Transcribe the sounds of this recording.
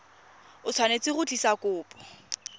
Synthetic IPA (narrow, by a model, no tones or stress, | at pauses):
ʊt͡sʰwanet͡sʼɪɣʊt͡ɬʼisakʼʊːpʼɔ̥